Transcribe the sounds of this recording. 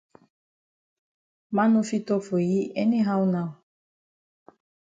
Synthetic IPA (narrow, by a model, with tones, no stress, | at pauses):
ma˦no˦fi˦tɔ˦fo˨ji˦ɛ˦ne˦ɦa˦u˦na˦˨w